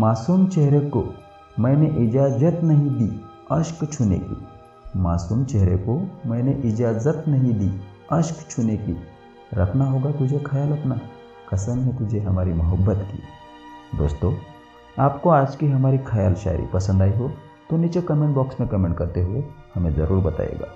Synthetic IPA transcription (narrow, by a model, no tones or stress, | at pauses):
maːsuːmt͡ʃɛɦɾeko | mɛ̃ːneʔɪd͡ʒaːzət̪nɐɦĩd̪iː | ɐʃkt͡ʃʰʊnḛkḭ | maːsuːmt͡ʃɛɦɾekomɛ̃ːneʔɪd͡ʒaːzət̪nɐɦĩd̪iː | ɐʃkt͡ʃʰʊneki | ɾɐ̰kʰnaɦoːɡat̪ʊd͡ʒʱekʰajaːlɐpna | kɐsənɦẽt̪ʊd͡ʒʱeɦɐmaːɾimɐɦəbːət̪kḭ | d̪o̰ːst̪o | aːpkoaːd͡ʒkiɦɐmaːɾikʰɐja̰ːlʃa̰ːɾḭpɐsə̃nd̪aːiɦo | t̪onɪt͡ʃekɐmẽɳʈbɔːksmẽkɐmẽːɳʈkɐɾt̪eɦuehɐmẽzɐ̰ɾuːɾbɐt̪a̰ːjḛːɡa̰ː